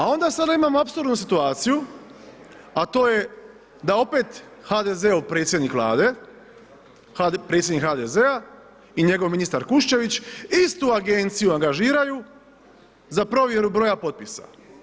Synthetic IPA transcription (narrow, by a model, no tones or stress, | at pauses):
ao̞nd̪asad̪aimaːmoapsuɾd̪nus̬it̪uaːt̪siju | at̪o̞ːje̞ | d̪ao̞pe̞t̪xad̪ezeupɾet̪sjed̪nikʋlˠa̰ːd̪e̞ | pɾet̪sjed̪nikhad̪ezea | iɲe̞ɡo̞ʋminist̪aɾkuʃt͡ʃe̞ʋit͡ɕist̪uaɡe̞nt̪sijuaŋɡaʒiːɾaju | zapɾo̞ʋje̞ɾubɾo̞japo̞t̪̚pisa̰